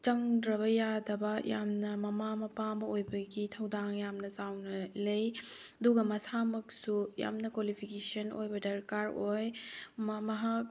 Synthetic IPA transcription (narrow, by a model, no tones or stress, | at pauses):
t͡ʃɐŋdɾɐbɐjadɐbɐja̰mnɐmɐmamɐpamɐojbɐɡitʰɐwdaŋjamnɐzawnɐlej | ɐduɡɐmɐsamɐk̚suja̰mnɐkwalipʰikesɐno̰jbɐdɐɾkaɾojmmɐɦak̚